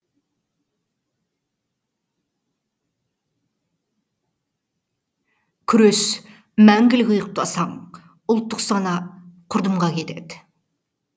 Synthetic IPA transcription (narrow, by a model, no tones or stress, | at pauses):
kʲʰʏɾøs | mæŋɡʲɪlɪkʲʊjəq̚t̪ɑsɑɴ | ʊlˠt̪ːʊqsɑnɑqʰʊɾd̪əmʁɑkʲʰe̞t̪e̞̰d̪ɪ